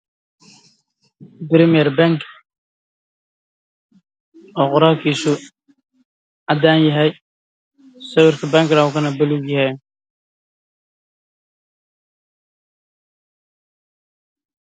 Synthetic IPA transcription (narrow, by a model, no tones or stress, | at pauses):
bɾɪmɪjɛɾbaŋk | ɔqʊɾaːkisʊ | ad̪aːnjɐɦɛj | sɐwɪɾkɪbaŋkɾawkɐnɐbɐluɡjɐhɛj